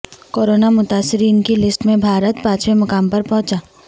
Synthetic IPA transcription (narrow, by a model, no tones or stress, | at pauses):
koːɾoːnamʊt̪aːsːɪɾiːnkilɪsʈmẽbʱaːɾət̪pãːt͡ʃʋemɐkaːmpɐɾpɔ̃ɦʊ̃t͡ʃaː